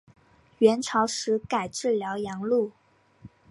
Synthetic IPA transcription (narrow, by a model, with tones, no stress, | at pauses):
ɥɛ˧˥nʈ͡ʂʰɑ˧˥ʊʂɻ̩˧˥ka˨˩ɪʈ͡ʂɻ̩˥˩ljɑ˧˥ʊjɑ˧˥ŋlu˥˩